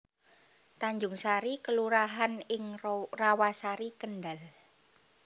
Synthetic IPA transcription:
t̪aɲd͡ʒʊŋsaɾikəluɾaɦanɪŋrawasaɾikənɖal

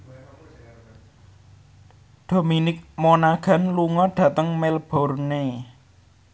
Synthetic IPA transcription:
d̪̥o̤minɪk̚monaɡ̥a̤nluŋɔɖ̥ä̤t̪əŋmelb̥ɔ̤rne

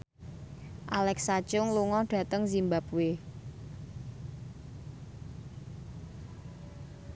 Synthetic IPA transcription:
ʔalɛksḁt͡ʃʊŋluŋɔɖ̥ä̤t̪əŋzimbap̚wɪ

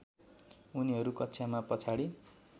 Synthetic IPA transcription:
uniɦʌɾukʌtːsʰjamapʌt͡sʰaɽi

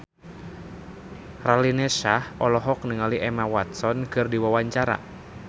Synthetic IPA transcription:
ralinɛʃahʔɔlɔɦɔk̚nəŋaliʔɛmawat̪̚sɔnkɨrdiwawaɲt͡ʃaɾa̰

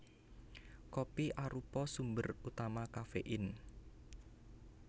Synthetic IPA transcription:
kopiʔaɾupɔsumbərut̪amakafeʔɪn

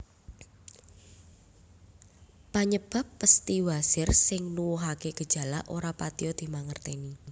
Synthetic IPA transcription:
paɲəb̥a̤pːəst̪iwasɪrsɪŋnuwuɦakeɡ̥ə̤d̥ʒ̥a̤laʔoɾapat̪iɔd̪̥i̤maŋərt̪eni

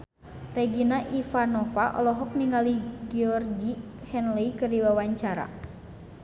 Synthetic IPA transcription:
rɛɡinaʔifanɔfaʔɔ̰lɔɦɔk̚niŋaliɡiɔrɡihɛnlɛikɨrdiwawaɲt͡ʃaɾa̰

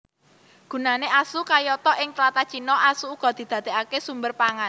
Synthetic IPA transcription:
ɡ̥ṳnaneʔasukajɔt̪ɔʔɪŋt̪lat̪ḁt͡ʃinɔʔasuːɡ̥ɔ̤d̪̥i̤d̪̥ä̤d̪̥e̤akesumbərpaŋan

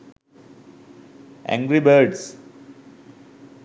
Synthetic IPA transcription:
ʔæ̰̃ŋɡɾibəɾɖs

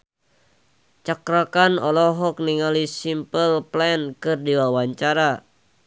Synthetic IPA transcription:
t͡ʃakɾakanɔlɔɦɔk̚niŋalisimpəlplɛnkɨrdiwawaɲt͡ʃaɾa

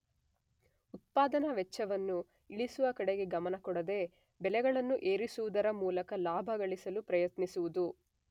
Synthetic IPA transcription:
ut̪̚paːd̪ɐnɐʋɛt͡ʃːɐʋɐnːu | iɭisuʋɐkɐɽeɡe̞ɡɐmɐnɐkɔɽɐd̪e̞ | bɛlɛɡɐɭɐnːuʔe̞ːɾisuʋud̪ɐɾɐmuːlɐkɐlaːbʱɐɡɐɭisɐlupɾɐjɐt̪nisuʋud̪u

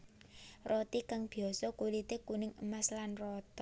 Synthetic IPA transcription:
rot̪ikaŋb̥i̤ɔsɔkulit̪ekunɪŋəmaslanrɔt̪ɔ

